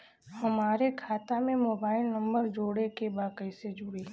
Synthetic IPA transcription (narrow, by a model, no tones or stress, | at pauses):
hɐmaːɾekʰaːt̪amẽmoːbaːɪlnɐ̃mbəɾd͡ʒoːɽekebaːkəised͡ʒʊɽeː